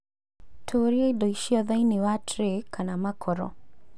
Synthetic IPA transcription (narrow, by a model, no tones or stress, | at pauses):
tʰoːɾiaidoiʃiɔðainewatɾekʰanamakʰɔɾɔ̰